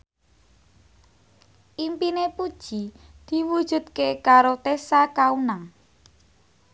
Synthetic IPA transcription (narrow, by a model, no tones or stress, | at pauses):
ʔimpinepud̥ʒ̥id̪̥i̤wud̥ʒ̥ṳd̪̥̚kekaɾot̪esakaunaŋ